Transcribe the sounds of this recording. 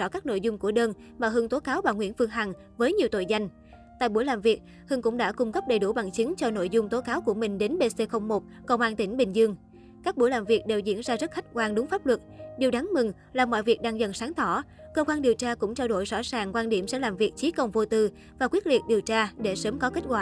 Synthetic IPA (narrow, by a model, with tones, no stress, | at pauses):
ɔ̰˧˩kaː˦˥k̚no̰˧˨jzʊ˧ŋ͡mku˧˩əɗəː˧n | maː˨˩ɦɨ˨˧ŋt̪o˨˦kaː˨˦wɓaː˨˩wŋwḭ˧˩ənfɨ˧əŋɦa˨˩ŋ | vəː˨˦jɲi˨˩əwt̪o̰˧˨jza˧jŋ̟ | t̪a̰ː˧˨jɓu˧˩jlaː˨˩mvi˨˩ət̚ | hɨ˧ŋkʊ̰˧˥ŋ͡mɗa̰ː˧˥kʊ˧ŋ͡mkə˦˥p̚ɗə˨˩jɗu˧˩ɓa̰˨˩ŋt͡ɕï˨˦ŋ̟t͡ɕɔ˧no̰˧˨jzʊ˧ŋ͡mt̪o˨˦kaː˨˦wku˧˩əmï˨˩ŋ̟ɗe˨˦nɓe˧se˧xə˧wŋ͡mmo˨˩t̚kə˧wŋ͡mʔaː˧nt̪ï˧˩ŋ̟ɓï˨˩ŋ̟zɨ˧əŋ | kaː˦˥k̚ɓu˧˩əjlaː˨˩mvi˨˩ək̚ɗe˨˩wzḭ˧˥ənzaː˧zə˦˥t̚xa˦˥k̟̚kwaː˧nɗʊ˨˦ŋ͡mfaː˦˥p̚lwə˨˩t̚ɗi˨˩wɗa˨˦ŋmɨ˨˩ŋ | laː˨˩mɔ̰˧˨jvi˨˩ək̚ɗaː˧ŋzə̰˧˨nsaː˨˦ŋt̪ɔ˧˩ | kəː˧xwaː˧nɗi˨˩əwt͡ɕaː˧kʊ̰˧˥ŋ͡mt͡ɕaː˧wɗo˧˩jzɔ̰˧˥saː˨˩ŋkwaː˧nɗi˧˩əmsɛ̰˧˥laː˨˩mvi˨˩ək̚t͡ɕi˨˦kə˨˩wŋ͡mvo˧t̪ɨ˧ | vaː˨˩kwi˦˥ət̚lḭ˨˩ət̚ɗi˨˩əwt͡ɕaː˧ɗe˧˩səː˨˦mkɔ˨˦ke˦˥t̚kwaː˧˩˨